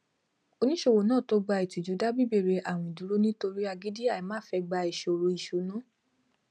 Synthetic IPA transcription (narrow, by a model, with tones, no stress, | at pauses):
o˧nĩ˦ʃo˦˧wo˨˦nãː˦˨to˧˦ɡ͡ba˧i˨tu˨d͡ʒu˨˦da˦bi˦˨be˦˨ɾe˧ʔa˨w̃ɔ̃˨ĩ˨du˨˦ɾo˦nĩ˦to˧ɾi˦a˧ɡi˦di˦a˦˨i˨˦mãː˦˨fɛ˧ɡ͡ba˧i˨ʃo˨ɾo˧i˨ʃu˨nũ˦